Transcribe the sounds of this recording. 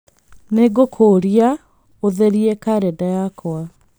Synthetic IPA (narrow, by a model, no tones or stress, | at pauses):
neɡokʰoːɾia | oðeɾiekaɾɛdajakoa